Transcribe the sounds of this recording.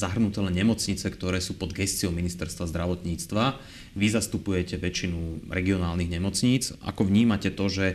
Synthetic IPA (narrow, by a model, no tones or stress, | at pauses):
zaɦr̩nut̪ɛlɛnɲɛmɔt͡sɲit͡sɛkt̪ɔɾɛːsuːpɔd̪ɡɛst͡siɔʊminist̪ɛɾst̪ʋazd̪ɾaʋɔt̪ɲiːt͡st̪ʋa | ʋizast̪upujɛcɛʋɛt͡ʃinuɾɛɡiɔnaːlniɣɲɛmɔt͡sɲiːt͡sa̰kɔʋɲiːmacɛt̪ɔʒɛ